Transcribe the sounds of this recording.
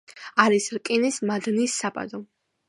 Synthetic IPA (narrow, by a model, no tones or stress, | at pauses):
aɾisɾkʼinismad̪nisːapʼa̰d̪ɔ